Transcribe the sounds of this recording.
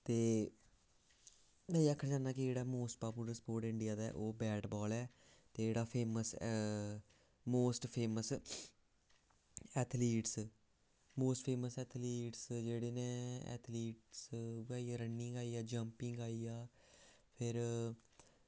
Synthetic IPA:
t̪eː | mɛ̃ːiakʰːəɽd͡ʒaːnaːkɪd͡ʒeːɽaːmoːsʈ̚paːpuləɾspoːɾʈɪ̃ɳɖɪjaːd̪aɛ̰ːʔoːbɛːʈbɔːlɛː | t̪eːd͡ʒeːɽaːpʰeːməs | moːsʈpʰeːməs | ɛːt̪ʰliːʈs | moːsʈpʰeːməsɛːt̪ʰliːʈsd͡ʒeːɽeːnẽːɛ̰ːt̪ʰliːʈsʋaːijaːɾənːɪŋɡaːiːjaːd͡ʒəmpɪŋɡaːiːaː | pʰɪɾ

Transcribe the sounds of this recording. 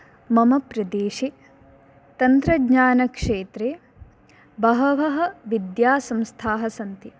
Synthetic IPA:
mɐmɐpɾɐd̪eːʃe | t̪ɐnt̪ɾɐdɲaːnɐkʂeːt̪ɾeː | bɐɦɐʋɐɦɐ̆ʋid̪jaːsɐmst̪ʰaːɦɐsɐnt̪i

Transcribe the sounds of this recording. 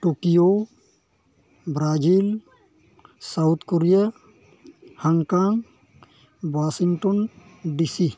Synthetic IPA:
ʈokijo | bɾad͡ʒil | sawut̪ʰkoɾija | haŋkaŋ | bwasiŋʈonɖisi

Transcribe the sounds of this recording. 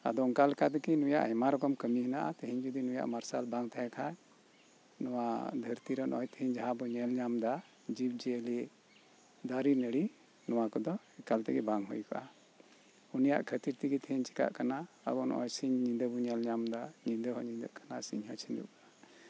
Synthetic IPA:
a̰d̪ɔŋkalkʰat̪ɛkinuja̰ʔhɛmaɾɔkɔmkəmiɦinaʔa̰t̪əɦiɲd͡ʒud̪inuja̰ʔmaɾsalbaŋt̪aɦɛ̃kʰa | nɔwad̪ʱəɾt̪iɾɔnʔɔjt̪əɦiɲd͡ʒaɦãbɔɲɛlɲamd̪a | d͡ʒib̚d͡ʒɛəli | d̪aɾinəɽi | nɔwakɔd̪ɔ | ɛkalt̪ɛɡɛbaŋɦujka̰ʔa | unija̰ʔkʰət̪iɾt̪iɡɛt̪ʰəɦiɲt͡ʃi̥ka̰ʔkana | ə̰bɔnɔ̰jsiɲɲind̪əbɔɲɛlɲamd̪aɲind̪əɦɔɲind̪ə̰ʔkʰḁnasḭɲhɔt͡ʃʰind̪ṵʔkaʔa

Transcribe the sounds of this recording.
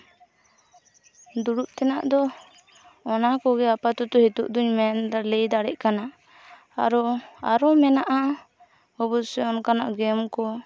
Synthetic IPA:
d̪uɽuʔt̪ɛnaʔd̪ɔː | nakɔɡɛapat̪ɔt̪ɔhit̪ṵʔd̪uɲmɛnd̪alejd̪aɽɛʔ̚kana | a̰ɾɔa̰ɾɔmɛnaʔa | ɔbɔsɛɔnkanaʔɡɛmkɔ

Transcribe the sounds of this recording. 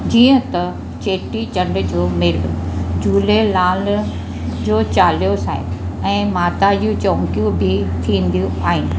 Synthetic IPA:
d͡ʑiːə̃t̪ɐ | t͡ɕeːʈit͡ɕɐ̃ɳɖd͡ʑoːmɪɾd͡ʑuːlelaːl | d͡ʑoːt͡ɕaːlijosa̰ːɦɪ̰ɛ̃ːmaːt̪ad͡ʑũt͡ɕõːŋkijũbʱɪt̪ʰĩːn̆d̪ijũaːɦɪnɪ̆

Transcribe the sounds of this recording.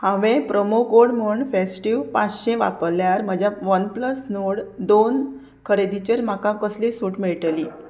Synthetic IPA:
hãʋẽpɾəmokoɽm̤uɳfesʈiʋpat͡sɕẽʋa̰pəljaɾm̤əd͡ʑʱjaʋənpləsnoɽd̪on | kʰəɾed̪it͡ɕəɾm̤akãkəslisuːʈmiɭʈli

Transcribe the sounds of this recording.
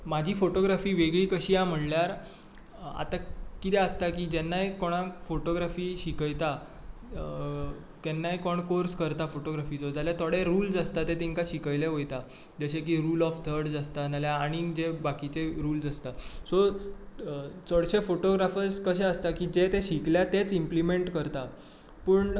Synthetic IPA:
mad͡ʑʱiːfoʈoɡɾafiːʋeɡɭiːkəɕiːam̤əɳljaɾ | a̰t̪akit̪ɛəst̪akiːd͡ʑɛnːajkoɽ̃ãfoʈoɡɾafiːɕikəjt̪a | t̪ɛnːajkɔɳkoɾskəɾt̪afoʈoɡɾafiːt͡sod͡zaljat̪ʰɔɽeɾuːld͡zast̪at̪et̪eŋkaɕikəjleɦojt̪a | d͡zəɕek̬iɾuːlɔft̪ʰəɾɖd͡zast̪analjaːɽ̃id͡ʑebakit͡seɾuːld͡zəst̪aso | t͡səɽɕefoʈoɡɾafəskəɕeəst̪akiːd͡ʑet̪eɕikljat̪et͡simplimeɳʈkəɾt̪a | pəːɳ

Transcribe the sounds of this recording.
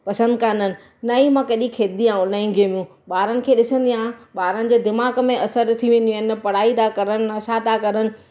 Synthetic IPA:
pɐsə̃nd̪kʰaːnənɪ̆ | nɐĩmãkɐɗĩkʰeːd̪iaːɦũnɐĩŋɡʱemijũː | ɓaːɾənɪ̆kʰeːɗɪsə̃nd̪iãːɓaːɾənɪ̆d͡ʑeːd̪ɪmaːɣmẽʔɐsəɾt̪ʰiʋẽːnd̪jũɪnɐpɐɽ̤aːid̪akɐɾənɪ̆ɐʃad̪akɐɾənɪ̆

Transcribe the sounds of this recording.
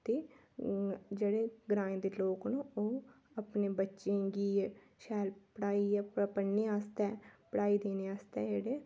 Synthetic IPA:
t̪eː | d͡ʒeːɽeːɡɾãːẽːd̪eːloːknũoː | əpneːbətːʃẽːɡiː | ʃaːlpəɽaːipəneːaːst̪ɛːpəɽaːid̪eːneːaːst̪ɛːd͡ʒeːɽeː

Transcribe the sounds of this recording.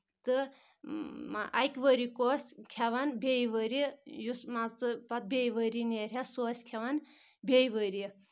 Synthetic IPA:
t̪ɨ | a̰jkʲʋəɾikosʲkʰaʋanbʲejiʋəɾijusmat͡sɨpɐt̪̚bʲejʋəɾineɾʲjasosʲkʲʰɐʋan | bʲejʋəɾi

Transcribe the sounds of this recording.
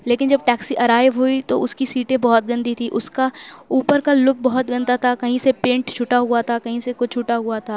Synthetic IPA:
leːkɪnd͡ʒɐb̚ʈɛːksiʔɐɾaːjɦuit̪oʊskisiːʈẽbɔɦɔt̪̚ɡɐ̃nd̪it̪ʰiʔʊskauːpəɾkalʊk̚bɐɦɔt̪̚ɡɐ̃nd̪at̪ʰakɐɦĩsepẽːɳʈt͡ʃʰʊʈaɦʊat̪ʰakɐɦĩsekʊt͡ʃʰʊʈaɦʊat̪ʰaː

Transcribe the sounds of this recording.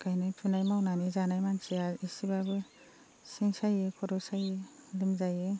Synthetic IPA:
kajnɯjpʰɯnajmawnanizanajmaŋsiaisibabɯ | siŋsajɯkʰɔɾɔsajɯlimzajɯ

